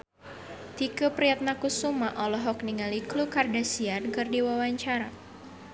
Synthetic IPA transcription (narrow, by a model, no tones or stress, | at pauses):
t̪ikəpɾiat̪̚nakusumaʔɔlɔɦɔk̚niŋaliklukardasiarɡɨrdiwawaɲt͡ʃaɾa